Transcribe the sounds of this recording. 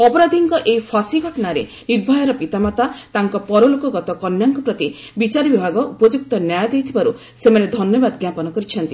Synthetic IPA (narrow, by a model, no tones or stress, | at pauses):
ɔpɔɾad̪ʱiŋkɔʔejpʰasiɡʱɔʈɔnaɾḛ | niɾbʱɔjɔɾɔpit̪amat̪at̪aŋkɔpɔɾɔlokɔɡɔt̪ɔkɔnjaŋkɔpɾɔt̪i | bit͡ʃaɾibibʱaɡɔʔupɔd͡ʒuk̚t̪ɔnjajd̪ejt̪ʰibaɾu | semaned̪ʱɔnjɔbad̪ɡjapɔnɔkɔɾit͡ʃʰɔnt̪i